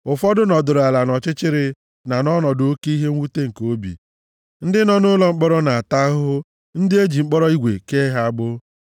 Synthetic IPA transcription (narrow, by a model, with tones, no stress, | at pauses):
ʊ˨fɔ˦dʊ˦nɔ˨dʊ˨ɾa˨la˨nɔ˨t͡ʃɪ˦t͡ʃɪ˦ɾɪ˨ | na˨nɔ˦nɔ˨do˦ke˦i˦ɦe˦ŋ̩ʷ˦u˦te˦ŋ̩˨ko˦bḭ˨ | n̩˦dɪ˦nɔ˦nʊ˦lɔ˦ŋ͡m̩˦k͡pɔ˦ɾɔ˦na˨a˨ta˦ɦʊ˦ | n̩˦de˦d͡ʒi˨ŋ͡m̩˦k͡pɔ˦ɾɔ˦i˦ɡʷḛ˨ke˦ɦa˦ɡ͡bʊ˦